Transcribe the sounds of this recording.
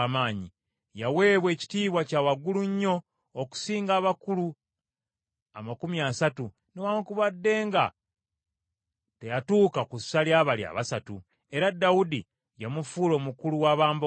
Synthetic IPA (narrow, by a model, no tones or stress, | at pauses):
maːɲi | jawe̞ːβwe̞ːci̥tiːβwacaːwaɡuluɲːo̞ː | ku̥siːŋɡaːβakulu | amakumiaːsatu | newaːŋkuβadːe̞ːŋɡa̰ | te̞jatuːkakusaljaβalia̰βasatu | e̞ɾadawudi | jamufuːlo̞ːmukuluwaːβaːmb